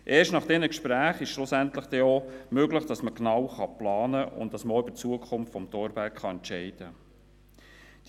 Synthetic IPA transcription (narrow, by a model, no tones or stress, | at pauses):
ʔeːʃtnɑχd̥ɛnəkʃpɾæːχɪʃʃlʊsænt̪ləχd̥ɛomøɡləχd̥ɑsməknɑwχɑplɑːnəʊ̰ntd̥ɑsməoʏbət͡suəkʰʊmftfɔmt̪ɔːɾbækχɑɛntʃɛɪd̥ə | d̥